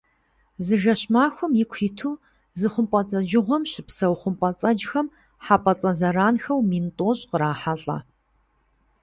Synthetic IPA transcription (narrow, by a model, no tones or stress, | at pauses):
zɨʒɐɕmaːxʷʊmjɪkʷʰiːtʰuː | zɨχʷʊmpʷʼɐt͡sʼɐd͡ʒɪʁʷɔmɕɪpsɐwχʷʊmpʼɐt͡sʼɐd͡ʒxɐm | ħapʼɐt͡sʼɐzɐɾaːnxɐwmiːntʼoːɕʼqəɾaːħaɬʼɐ̰